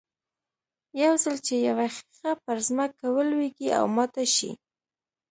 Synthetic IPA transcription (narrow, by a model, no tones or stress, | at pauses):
jawzəlt͡ʃejawaxi̥xapəɾzməkːawəlweɡia̰wmɑt̪aʃḭ